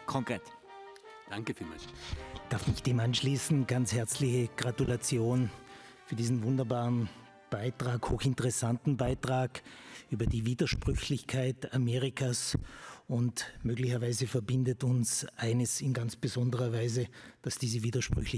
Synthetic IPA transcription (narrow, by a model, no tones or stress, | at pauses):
kʰɔŋkʁeːt | d̥aŋkəfima̰d̥aɐfmɪçd̥eːmanʃliːsn̩ɡ̥anshɛɐt͡slɪçəɡ̥ʁatulat͡sjoːn | fyːɐdiːzn̩vʊndɐbaːʁən | b̥aɪtʁ̥aːkhoːxɪntəʁɛsantn̩baɪtʁ̥aːkʔyːbɐdiːviːdɐʃpʁ̥ʏçlɪçkʰaɪtameːʁɪkʰas | ʊntmøːɡlɪçɐvaɪzəfɛɐbɪndətʊnsʔaɪnəsɪnɡant͡sb̥əzɔndəʁɐvaɪzəd̥asd̥iːzəviːdɐʃpʁ̥ʏ̰çlɪ